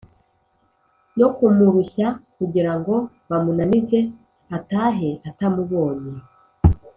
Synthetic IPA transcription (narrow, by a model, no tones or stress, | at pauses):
no̞kumuɾuçakuɟiɾaŋɡo̞ | βamunanize̞ | ataːɦe̞atamuβo̞ːɲe